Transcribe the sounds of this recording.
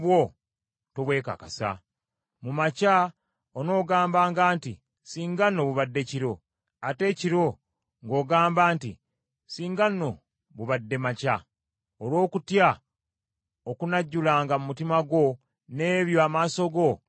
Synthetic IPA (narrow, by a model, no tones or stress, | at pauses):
βwo | toβwe̞ːka̰kasa̰ | mumaca | ono̞ːɡaːmbaːŋɡaːntḭ | siːŋɡanːo̞βuβadːe̞ciɾo̞ | ate̞ciɾo̞ | ŋɡo̞ːɡaːmbaːntḭ | siːŋɡanːo̞ | βuβadːe̞maca | olwo̞ːkutja | okunaɟːulaːŋɡamumutimaɡwo̞ | ne̞ːβjoamaːso̞ɡo̞